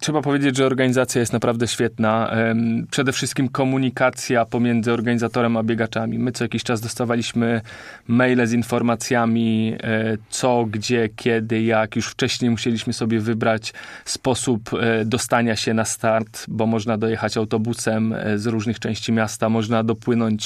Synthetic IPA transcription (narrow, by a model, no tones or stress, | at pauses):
tʂɛbapɔvʲjed͡ʑed͡ʑʐɛɔɾɡaɲizat̪sʲjajɛst̪napɾavd̪ɛɕfʲjɛt̪na | pʂɛd̪ɛfʂɘst̪̚kʲimkɔmuɲikat̪sʲjapɔmʲjɛnd̪zɘɔɾɡaɲizat̪ɔɾɛmabʲjɛɡat͡ʂamʲimɘt̪sɔjakʲiɕt͡ʂazd̪ɔst̪avalʲiɕmɘ | mɛjlɛzinfɔɾmat̪sʲjamʲi | t̪sɔɡd͡ʑɛkʲʰjɛd̪ɘjakjuʂft͡ʂɛɕɲejmuɕelʲiɕmɘsɔbʲjɛvɘbɾat͡ɕspɔsupd̪ɔst̪aɲaɕɛnast̪aɾt̪bɔmɔʐnad̪ɔjɛxat͡ɕawt̪ɔbusɛmzɾuʐnɘxt͡ʂɛ̃w̃ɕt͡ɕimʲjast̪amɔʐnad̪ɔpwɘnɔɲt͡ɕ